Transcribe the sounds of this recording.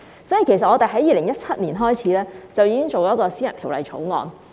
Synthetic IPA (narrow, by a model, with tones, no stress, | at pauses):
sɔː˨˥jiː˨˩kʰe˨˩js̬ɐ˨t̚ɔː˨˧t̪e˨jɦɐ˨˥jiː˨lɪ˨˩ŋjɐ˥t̚t͡sʰɐ˥t̚niː˨˩nɦɔː˥jt͡sʰiː˨˥lɛː˥t͡sɐ˨wjiː˧˥kɪ˥ŋt͡so˨wɔː˨˦˥kɔː˧siː˥jɐ˨˩nt̪ʰi˨˩wlɐ̰˨˧jt͡ʃʰo˨˥wŋɔ̰ː˨˧n